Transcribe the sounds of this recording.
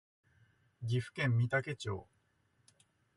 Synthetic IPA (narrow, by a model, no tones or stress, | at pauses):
ɡʲiɸɯ̟̥kẽ̞mːʲit̪ake̞t͡ɕo̰ː